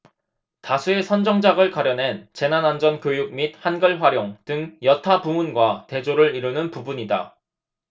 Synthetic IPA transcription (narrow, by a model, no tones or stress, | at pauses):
tasʰue̞sʰʌnd͡ʑʌŋd͡ʑaɡɯɭkaɾjʌnɦe̞nt͡ɕe̞nanand͡ʑʌnkʲjojuk̚mit̚hanɡʌɭɸwaɾjoŋdɯŋjʌtʰapumunɡwate̞d͡ʑoɾɯɾiɾɯnɯnpubuɲida̰